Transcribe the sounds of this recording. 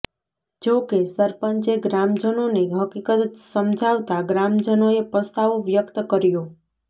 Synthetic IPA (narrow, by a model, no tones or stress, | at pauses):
d͡ʒokesəɾpəɲt͡ʃeɡɾamd͡ʒənoneɦəkikət̪səmd͡ʒʱaʋt̪aɡɾamd͡ʒənoepəst̪aʋoʋjəkt̪əkəɾjo